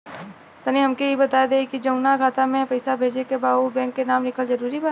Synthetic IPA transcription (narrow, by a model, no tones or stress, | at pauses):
t̪ɐniɦɐmkeibɐt̪aːjd̪eːkid͡ʒɐ̃ʊnaɡaːt̪amẽpɐɪsabʱeːd͡ʒekebaːubɛ̃ːŋkːenaːmɾɪkʰəlzɐɾuːɾibaː